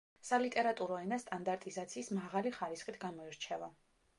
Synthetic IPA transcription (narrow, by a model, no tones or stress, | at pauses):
salit̪ʼɛɾat̪ʼuɾɔɛnast̪ʼand̪aɾt̪ʼizat̪sʰiːsmaʁaliχaɾisχit̪ʰɡamɔiɾt͡ʃʰɛva